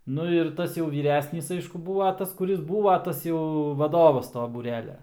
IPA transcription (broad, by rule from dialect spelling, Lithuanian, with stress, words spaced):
ˈnʊ ɪr ˈtɐs jɛʊ ʋʲiːˈrʲæːsʲnʲiːs ˈɐɪʃkʊ ˈbuːʋɐ ˈtɐs kʊˈrʲɪs ˈbuːʋɐ ˈtɐs jɛʊ ʋɐˈdoːʋɐs ˈtoː buːˈrʲæːlʲɛ